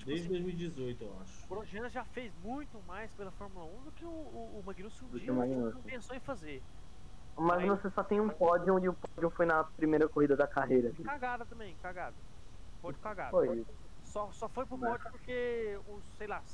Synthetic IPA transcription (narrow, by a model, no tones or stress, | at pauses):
d̪ejzd͡ʒɪd̪ojzmiwd͡ʒizojt̪ʊewa̰ʃʊ̥pɾoʒɐ̃nɐʒafejzmũj̃t̪ʊmajspelɐfɔɾmulɐũd̪ʊkɪʊːmɐ̃ɡinusũd̪ʊkiẽmaɡinospẽsowẽj̃faze | ʊmaɡinosesɔt̪ẽj̃ũpɔd͡ʒiõɪʊpɔd͡ʒũfojnɐpɾimejɾɐkoɦid̪ɐd̪ɐkaɦejɾɐkikaɡad̪ɐt̪ɐ̃mẽj̃kaɡad̪ɐ | pɔd͡ʒũkaɡa̰d̪fojisʊ̥ | sɔsɔfojpɾʊpɔd͡ʒ̃pʊɾkeʊssːejlas